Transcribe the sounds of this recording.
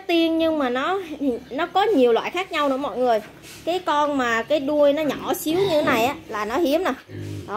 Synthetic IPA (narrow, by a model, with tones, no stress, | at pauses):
k̚t̪i˧ənɲɨ˧ŋmaː˨˩nɔ˨˦t̪ʰi˨˩nɔ˨˦kɔ˨˦ɲi˨˩əwlwa̰ː˧˨jxaː˦˥k̚ɲa˧wnɨ̰˧˥əmɔ̰˧˨jŋɨ˨˩əj | kaː˨˦jkɔ˧nmaː˨˩kaː˨˦jɗu˧əjnɔ˨˦ɲɔ˧˩si˨˦əwɲɨ˧t̪ʰe˨˦na˨˩jʔaː˨˦laː˨˩nɔ˨˦hi˨˦əmnə˨˩ɗo˨˦